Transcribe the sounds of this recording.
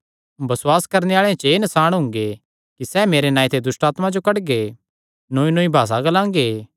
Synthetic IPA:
bɐswaːskɐɾneaːɭẽt͡ʃeːnɐsaːɽ̃ɦʊ̃ŋɡe | kisɛːmeːɾenãːĩt̪ʰed̪ʊsʈaːt̪mãd͡ʒokɐɽɡe | noːinoːibʱaːs̬aɡɐlãːŋɡeː

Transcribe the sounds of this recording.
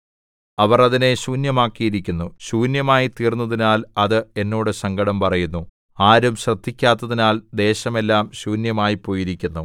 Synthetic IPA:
ɐʋɐrɐðine̞ɕuːnjɐmaːkːijiɾikʲːunːuɕuːnjɐmaːjit̪iːrnːɐðinaːlɐðɨe̞nːo̞ːɽɨsɐŋɡɐɽɐmpɐrɐjunːu | aːɾumɕrɐd̪̥ːikʲːaːt̪ːɐðinaːld̪e̞ːɕɐme̞lːaːmɕuːnjɐmaːjipːo̞ːjiɾikʲːunːu

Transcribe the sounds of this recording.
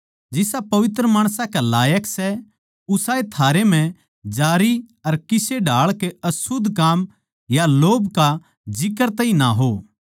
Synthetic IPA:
d͡ʒɪsapɐʋɪt̪ɾəmaːɽ̃sãkɛlaːjəksɛ | ʊsaːet̪ʰaːɾem̤ɛ̃ | d͡ʒaːɾiɐɾkɪseɖʱaːɭkeɐsʊd̪ʱkaːm | jaloːbka | d͡ʒɪkəɾt̪ɐːɦĩnaɦoː

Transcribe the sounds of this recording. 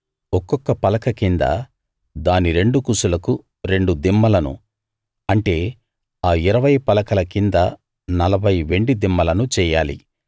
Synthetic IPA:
ɔkːɔkːɐpɐlɐkɐkind̪ɐ̰ | d̪aːniɾe̞ɳɖukusulɐku | ɾe̞ɳɖud̪imːɐlɐnṵ | ɐɳʈe̞ː | aːiɾɐʋɐjpɐlɐkɐlɐkind̪ɐ | nɐlɐbʱɐjʋe̞ɳɖid̪imːɐlɐnut͡ʃɛːjaːlḭ

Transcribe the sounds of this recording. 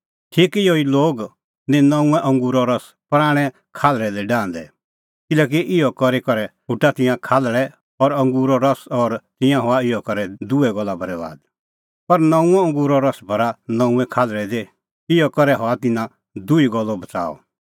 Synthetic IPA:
ʈʰiːkɪjoiloːɡ | nɛ̃nɐ̃ũɛ̃ʔɐ̃ŋɡuːɾɔɾɐs | pɾaːɽ̃ɛ | kʰaːlɾɛd̪eɖãːnd̪ɛ | kɪlɛːk̬iʔɪjɔkɔɾikɔɾɛɦʊʈːat̪ɪ̃jãkʰaːlɭɛ | ɔɾɐ̃ŋɡuːɾɔɾɐsɔɾt̪ɪ̃jãɦɔaɪjɔkɐɾɛd̪uɛɡɔlːabʱɐɾɛba̰ːd̪ | pɐɾnɐ̃ũɛ̃ɐ̃ŋɡuːɾɔɾɐsbʱɐɾanɐ̃ũɛ̃kʰaːlɾɛd̪e | ɪjɔkɔɾɛɦɔat̪ɪnã | d̪ʊiɡɔlːɔbɐt͡sa̰ːɔ̰

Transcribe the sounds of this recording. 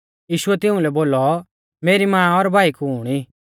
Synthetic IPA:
jiːʃʊɛt̪ɪʊ̃lɛboːlɔ | meːɾimãːɔɾbʱaːikuuːɽ̃iː

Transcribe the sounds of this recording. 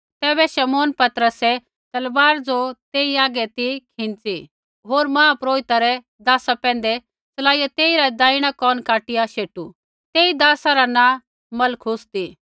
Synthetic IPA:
t̪ɛːbɛʃɐmoːnpɐt̪ɾəsɛ | t̪ɐlʋaːɾd͡zot̪eːiaːɡɛt̪ikʰɪ̃nt͡si | ɦoːɾmãːpɾoːɪt̪aɾɛ | d̪aːsapɛ̃ːn̆d̪ɛ | t͡sɐlaːijat̪eːiɾad̪aːiɽ̃akɔːnkaːʈɪjaʃeːʈu | t̪eːid̪aːsaɾanã | mɐlkʰʊst̪i

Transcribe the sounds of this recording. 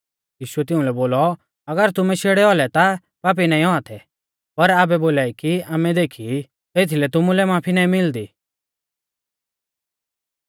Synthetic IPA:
jiːʃʊɛt̪ɪ̃ũlɛboːlɔ | ɐɡəɾt̪ʊmɛʃeːɽɛɔlɛt̪a | paːp̬inãːĩɔat̪ʰɛ | pɐɾaːbɛboːlaːikiaːmɛd̪eːkʰi | t̪eːt̪ʰilɛt̪ʊmulɛmaːpʰinaːĩmɪld̪iː

